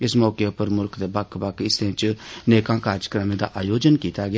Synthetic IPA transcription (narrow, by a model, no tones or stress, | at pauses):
ɪsmɔːkeʊpəɾmʊlkd̪eːbakʰbakɪsẽːt͡ʃneːkãːkaːɾjəkɾəmẽːd̪a̰ːʔaːjoːd͡ʒənkiːt̪aːɡɪ